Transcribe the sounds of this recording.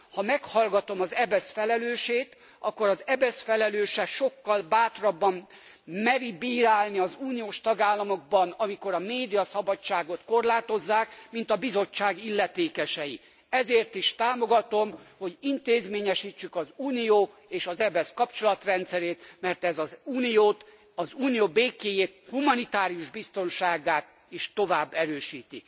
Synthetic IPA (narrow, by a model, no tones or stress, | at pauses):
hɒmɛkhɒlɡɒt̪o̞mɒzɛbɛsfɛlɛløːʃeːt̪ | ɒkːo̞ɾɒzɛbɛsfɛlɛløːʃɛʃo̞kːɒlbaːt̪rɒbːɒm | mɛɾibiːɾaːlniɒzuːnijoːʃt̪ɒɡaːlːɒmo̞ɡ̚bɒnɒmiko̞ɾɒmeːd̪ijɒsɒbɒt͡ʃːaːɡo̞t̪ko̞rlaːt̪o̞zːaːkmint̪ɒbizo̞t͡ʃːaːɡilːɛt̪eːkɛʃɛji | ɛzeːrt̪iʃt̪aːmo̞ɡɒt̪o̞mho̞ɟint̪eːzmeːɲɛʃiːt͡ʃːykɒzuːnijoː | eːʃɒzɛbɛskɒpt͡ʃo̞lɒt̪rɛnt̪sɛɾeːt̪mɛrt̪ɛzɒzuːnijoːt̪ | ɒzuːnijoːbeːkeːjeːt̪humɒnit̪aːɾiuʒbist̪o̞nʃaːɡaːt̪ | iʃt̪o̞vaːbːɛɾøːʃiːt̪ḭ